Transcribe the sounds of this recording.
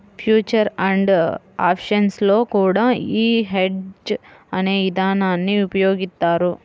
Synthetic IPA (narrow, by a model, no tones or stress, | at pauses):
pʰjuːt͡ʃɐɾɐɳɖ | a̰ːpʃɐnslo̞ːkuːɽaːiːɦeɖd͡ʒɐneːʋid̪ʱaːnaːnːiupɐjo̞ːɡist̪ːaːɾu